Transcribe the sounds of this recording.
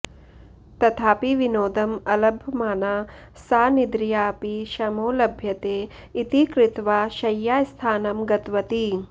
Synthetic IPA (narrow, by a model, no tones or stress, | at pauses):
t̪ɐt̪ʰaːpiʋinoːd̪ɐmɐlɐbʱjɐmaːnaː | saːnid̪ɾijaːpiʃɐmoːlɐbʱjɐt̪eː | it̪ikɾit̪ʋaːʃɐjːaːst̪ʰaːnɐmɡɐt̪ʋɐt̪i